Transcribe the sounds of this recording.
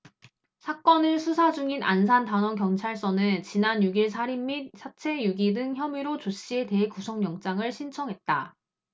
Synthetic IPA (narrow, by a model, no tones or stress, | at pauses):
sʰak͈ʌnɯɭsʰusʰad͡ʑuŋina̰nsʰantanwʌŋkjʌŋt͡ɕʰaɭs͈ʌnɯnt͡ɕinanjuɡiɭsʰaɾimːit̚sʰat͡ɕʰe̞juɡidɯŋçjʌmiɾot͡ɕoɕ͈ie̞te̞ɦekusʰʌŋjʌŋt͡ɕ͈aŋɯɭɕʰint͡ɕʰʌŋɦet̚t͈a